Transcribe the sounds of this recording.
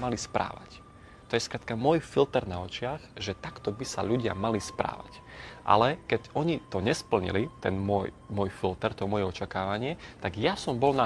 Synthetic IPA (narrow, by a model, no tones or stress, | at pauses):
malispɾa̰ːʋa̰c | t̪ɔjɛskɾaːt̪kamʊɔjfilt̪ɛɾnaɔt͡ʃɪaɣʒɛt̪akt̪ɔbisa̰ʎuɟɪa̰malispɾa̰ːʋa̰c | ʔa̰lɛkɛcɔɲit̪ɔɲɛspl̩ɲḭlit̪ɛnmʊɔjmʊɔjfilt̪ɛɾt̪ɔmʊɔjɛɔt͡ʃakaːʋaɲɪɛt̪aɡjasɔmbɔlna